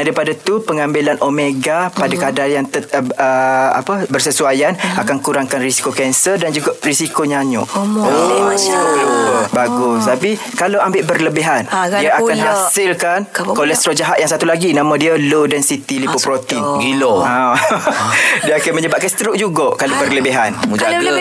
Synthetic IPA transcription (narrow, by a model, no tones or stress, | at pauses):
aɾipadat̪upəŋambilanʔomeɡapadakadajaŋt̪əəa̰pəbərsəsuajanakankuɾaŋkanrisi̥kokɛnsərdand͡ʒuɡaʔrisikoɲaɲʊ̰ʔʔ | ɡəbaɡʊst̪api | kalawambɪʔbərləbiɦandiəakanɦasɪlkankolɛst̪ɾod͡ʒaɦat̪̚jaŋsat̪ulaɡinãmə̃diəlodansit̪ilipopɾot̪inɡiloa | diəakanməɲəbaʔ̚kansət̪əɾuʔ̚d͡ʒuɡoʔkalobərləbiɦand͡ʒaɡ